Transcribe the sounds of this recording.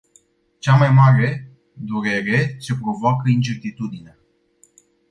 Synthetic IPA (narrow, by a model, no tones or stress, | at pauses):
t͡ʃamajmaɾe̞ | d̪uɾe̞ɾe̞t͡ʃe̞pɾo̞voakəint͡ʃe̞rt̪it̪ud̪inea